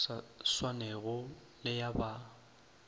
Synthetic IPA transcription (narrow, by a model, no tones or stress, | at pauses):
swanɛɣʊ | lɪjaba